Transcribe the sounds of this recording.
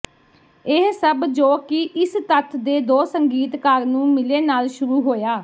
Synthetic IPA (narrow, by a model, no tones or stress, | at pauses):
ɪɦsəbd͡ʒoːkɪʔɪst̪ət̪ʰd̪eːd̪oːsəŋɡiːt̪kaːɾnũːmɪleːnaːlʃʊɾuːɦoːjaː